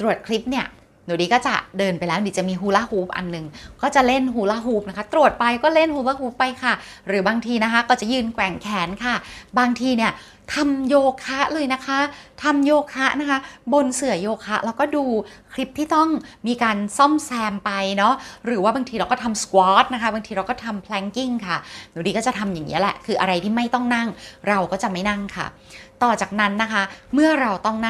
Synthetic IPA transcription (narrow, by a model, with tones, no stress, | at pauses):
t̪ɾu˨˩ət̪̚kʰɾi˦˥p̚ni˥˩ɐ | nu˨˩˦diː˧˩kɔː˥˩t͡ɕa̰˨˩dɤː˧npa˧jlɛ˦˥˧diː˨˦t͡ɕa˨˩miː˧ɦuː˦˥la˦˥huː˦˥p̚ʔa̰˧nːɯ˨˩ŋkɔː˥˩t͡ɕa˨˩le˥˩nɦuː˨˩la˦˥ɦuː˦˥p̚na˦˥kʰa˦˥t̪ɾu˨˩ət̪̚pa˧jkɔː˥˩le˥˩nhuː˦˥la˦˥ɦuː˦˥pːa˧jkʰa˥˩ | ɾɯː˩˦baː˧ŋt̪ʰiː˧na˦˥kʰa˦˥kɔː˥˩t͡ɕa˨˩jɯː˧nkwɛ˨˩ŋkʰɛː˨˦nkʰa˥˩baː˧ŋt̪ʰiː˧ni˥˩ɐ | t̪ʰa˧mjoː˧kʰa˦˥ʔlɤː˧jna˦˥kʰa˦˥t̪ʰa˧mjoː˧kʰa˦˥ʔna˦˥kʰa˦˥bo˧nsɯ˨˩˦joː˧kʰa˦˥ʔɾʔaː˧˥wkɔː˥˩duː˧kʰli˦˥p̚t̪ʰiː˥˩t̪ɔ˥˩ŋmiː˧kaː˧nsɔ˥˩msɛː˧mpa˧jnɔ˦˥ɾɯː˩˦waː˥˩baː˧ŋt̪ʰiː˧ɾa˧wkɔ˥˩t̪ʰa˧mskwɔː˦˥t̪̚na˦kʰa˦˥baː˧ŋt̪ʰiː˧ɾa˧wkɔː˥˩t̪ʰa˧mpʰlɛ˦˥ŋki˥˩ŋkʰa˥˩diː˨˩˦diː˧kɔː˥˩t͡ɕa˨˩t̪ʰa˧mjaː˨˩ŋːḭ˦˥ɐlɛ˨˩ʔkʰɯː˧ʔa˧ɾa˧jt̪ʰiː˥˩ma˥˩jt̪ɔ˥˩ŋna˥˩ŋɾa˧wkɔː˥˩t͡ɕa˨˩ma˥˩jna˥˩ŋkʰa̰˥˩ | t̪ɔː˨˩t͡ɕaː˨˩k̚na˦˥nːa˦˥kʰa˦˥mɯ˥˩ɐɾa˧wt̪ɔ˥˩ŋna˥˩